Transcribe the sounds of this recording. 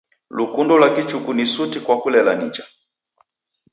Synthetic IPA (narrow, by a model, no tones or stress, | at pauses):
lukundɔlwakit͡ʃukunisutikwakulɛlanḭt͡ʃḁ